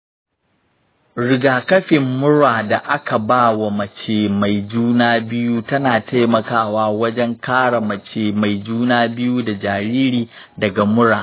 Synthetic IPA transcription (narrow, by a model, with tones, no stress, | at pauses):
ɽɪ˨ɡaː˨kɐ˦ɸɪ˨mːʊ˦ɽaː˨da˨ʔa˦ka˨baː˦wa˨mɐ˨t͡ʃeː˨ma˨jd͡ʒuː˦naː˦bɪ˦ju˦tɐ˦naː˨tʰa˦jmɐ˨kaː˦waː˦wɐ˦d͡ʒɛ˦ŋkaː˦ɽa˨mɐ˨t͡ʃeː˨ma˨jd͡ʒuː˦naː˦bɪ˦ju˦da˨d͡ʒaː˨ɾiː˦ɾiː˨ | dɐ˨ɡa˨mʊ˦ɽaː˨